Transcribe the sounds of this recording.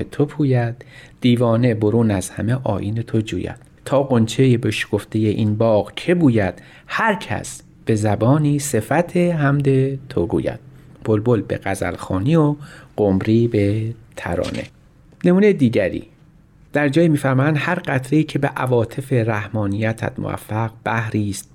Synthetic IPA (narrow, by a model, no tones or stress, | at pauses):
et̪ʰopʰuːjæd̪̥̚d̪̥iːvɒːne̞bo̞ɾuːnæz̥hæme̞ʔɒ̰ːʔiːne̞t̪ʰod͡ʒṵːjæ̰d̪̥ | t̪ʰɒːɡont͡ʃʰejebeʃkʰoft̪ʰejeʔinbɒːɣkʰe̞buːjæd̪̥ | hæɾcʰæ̰s | b̥e̞zæbɒːniːse̞fæt̪ʰeɦæmd̪et̪ʰoɡṵːjæ̰d̪̥̚b̥ʰolbolbḛɣ̥æzæ̰lxɒːniːoɡ̥omɾiːbet̪ʰæ̰ɾɒ̰ːne̞̰ | ne̞muːnejed̪iːɟæɾḭː | d̪̥æɾd͡ʒɒːjiːmiːfæɾmɒːjænd̪hæɾɢæt̪ʰɾeiːcʰebe̞ʔævɒːt̪ʰe̞fe̞ɾæhmɒːnijæt̪ʰæ̰d̪mo̰æ̰fːæɡb̥æhɾiːst̪̚